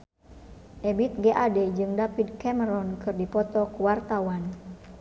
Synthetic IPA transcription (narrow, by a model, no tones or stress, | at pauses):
ʔebit̪̚ɡeʔadɛd͡ʒɨŋdapid̚kɛməɾɔnkɨrdipɔt̪ɔkuwart̪awan